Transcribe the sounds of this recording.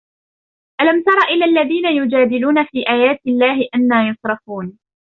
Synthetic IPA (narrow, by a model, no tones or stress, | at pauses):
ʔalamt̪ɑɾˤɑʔɪlːaːʔlːaðiːnajʊd͡ʒaːd̪ɪluːnafiːʔaːjaːt̪ɪlːaːɦɪʔanːaːjʊsˤɾˤɑfuːn